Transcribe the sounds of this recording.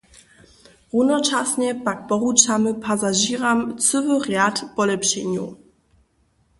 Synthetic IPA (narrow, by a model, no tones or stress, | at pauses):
ʁunɔt͡ʃasɲɛpak̚pɔʁut͡ʃamɘpʰazaʑiʁamt͡sɨvɨʁjatpɔlɛpɕɛɲṵ